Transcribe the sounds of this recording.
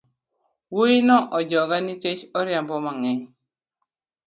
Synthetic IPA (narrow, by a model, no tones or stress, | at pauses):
woinɔʔɔd͡ʒɔɡaniket͡ʃɔɾjambɔmaŋɛɲ